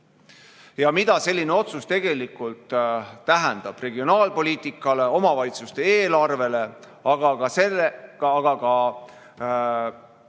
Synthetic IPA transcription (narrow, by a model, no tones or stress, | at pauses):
jɑmid̪̥ɑse̞lʲːine̞o̞t̪sust̪e̞ɡ̥e̞likːˑult̪ːæɦɛnd̪̥ɑb̥re̞ɡio̞nɑːlpo̞liːt̪ˑikːˑɑle̞o̞mɑvɑjt̪sust̪e̞eːlɑrve̞le̞ | ɑɡ̥ɑɡɑsele̥ɡ̥ɑkɑ